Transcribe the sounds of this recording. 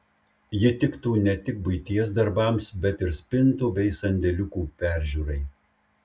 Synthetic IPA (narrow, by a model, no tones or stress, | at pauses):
jɪt̪ʲɪkt̪uːnʲɛt̪ʲɪk̚bʊɪt̪ʲiɛsd̪ɐɾbɐˑmsbʲɛt̪ɪɾsʲpʲɪnt̪uːbʲɛɪsɐnʲd̪ʲɛlʲʊkuːpʲæˑɾʲʒʲuːɾɐɪ